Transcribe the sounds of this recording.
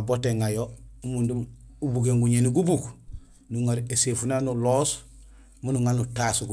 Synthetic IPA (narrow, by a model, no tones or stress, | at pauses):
aboteŋajoumundumubuɡeŋɡuɲeniɡubuk | nuŋaɾesefunanuloːs | munuŋalnutasuɡu